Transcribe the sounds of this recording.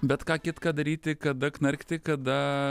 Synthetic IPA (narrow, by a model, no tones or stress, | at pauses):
bʲɛt̪kɑːkʲɪt̪kɑːd̪ɐɾʲiːt̪ʲɪkɐd̪ɐknɐɾʲkt̪ʲɪkɐd̪ɐ